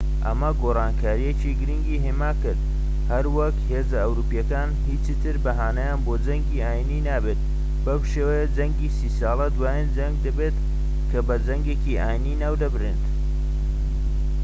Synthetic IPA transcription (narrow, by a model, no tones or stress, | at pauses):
ʔɐ̰mɐɡoːraːnkʰaːɾijet͡ʃiɡɨɾiŋɡiːɦeːmaːkɨɾd̪ | hɐɾwɐkheːzɐɐwɾuːpijɐkaːnhit͡ʃɨt̪ʰɨɾbɐɦaːnɐjaːnboːd͡ʒɐŋɡiːaːjiniːnaːbeːt̪̚ | bɐwʃeːwejɐd͡zɐŋɡiːsiːsɑːlˠɐd̪waːjind͡ʒɐŋɡ̚d̪ɐbeːt̪ | kʰɐbɐd͡zɐŋɡeːciʔaːjininaːwd̪ɐbrint̪